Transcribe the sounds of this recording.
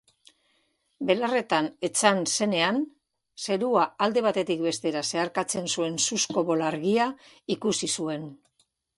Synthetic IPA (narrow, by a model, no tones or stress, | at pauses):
be̞lare̞t̪ane̞t͡sanse̞ne̞an | se̞ɾuaːld̪e̞β̞at̪e̞t̪ik̚be̞st̪e̞ɾase̞aɾkat͡se̞nsue̞nsusko̞βo̞laɾɣia | ikusisue̞n